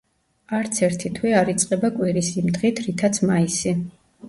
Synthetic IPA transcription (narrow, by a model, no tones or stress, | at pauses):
aɾt̪sʰɛɾt̪ʰit̪ʰwiaɾit̪sʼqʼɛbakʼwiɾisimd̪ʁit̪ʰɾit̪ʰat̪sʰmaisi